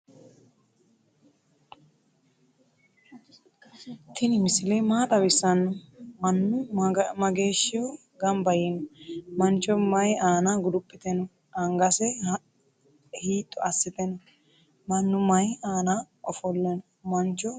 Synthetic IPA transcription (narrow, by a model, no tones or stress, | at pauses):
t̪ʰɪnɪmɪsɪleːmaːt̪ʼɐbɪsːɐnːɔmɐnːʊmɐɡeːʃːɪwʊ | ɡɐmbɐjɛnɔmɐnt͡ʃʼːɔmɐjaːnaɡʊd̪ʊpʼːɪt̪ɛnɔ | ɐŋɡɐsɛ | hiːt̪ʼːɔɐsːɪt̪ɛnɔ | mɐnːʊmɐjaːna | ɔfɔlːɛnɔ | mɐnt͡ʃːɔ